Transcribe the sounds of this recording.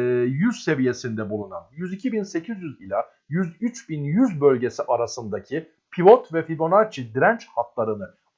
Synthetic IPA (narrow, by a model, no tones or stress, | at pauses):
jyɾse̞vije̞sind̪ɛbulˠunanjyzicʰibinse̞cʰizjyzilʲa | jyzyt͡ʃbinjyzbølʲɟesiʔaɾasɯnd̪acʰi | pʰivo̞t̪vɛfiɡo̞naɾt͡ʃʰid̪iɾænt͡ʃhaklˠaɾɯnɯ